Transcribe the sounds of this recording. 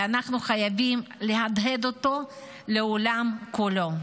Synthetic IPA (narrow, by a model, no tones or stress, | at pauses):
anaχnuχajavimleɦad̪ɦe̞d̪o̞to̞ | le̞olamkulo̞